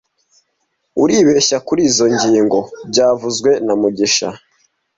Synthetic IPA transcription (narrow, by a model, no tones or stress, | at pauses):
uɾiːβe̞ːʃakuɾiːzo̞ɲɟiːŋɡo̞bɟaːvuzɡwe̞namuɟiʃa̰